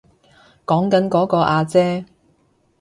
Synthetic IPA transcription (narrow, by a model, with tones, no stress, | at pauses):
kɔː˨˥ŋkɐ˨˥nkɔː˨˥kɔː˧ʔaː˧t͡sɛː˥